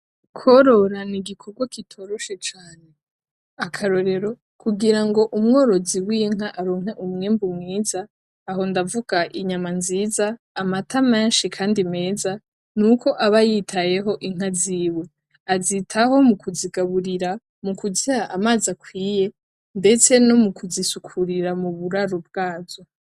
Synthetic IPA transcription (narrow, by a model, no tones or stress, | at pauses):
kʰo̞ɾo̞ɾaniɡikʰo̞ɡwakitʰo̞ɾoʃe̞t͡ʃaːne̞ | akʰaɾo̞ɾe̞ɾo̞ | kʰuɡiɾaŋɡo̞ʔumŋo̞ːɾo̞ziwiŋ̥aʔaɾo̞ːŋɦe̞ʔumŋeːmbumŋiːzaː | ɦo̞ndavuɡ̥aʔiɲamanziːzaː | matʰame̞ːnʃikʰaːndime̞ːza | nukʰo̞ʔaβajitʰaje̞ɦo̞ʔiŋ̥aziːwe̞ | azitʰaho̞mukʰuziɡaβuɾiɾa | mukuzihaʔamaːzakwiːje̞ | nde̞t͡se̞no̞mukʰuzisukʰuɾiɾamuβuɾaɾub̚ɡaːzo̞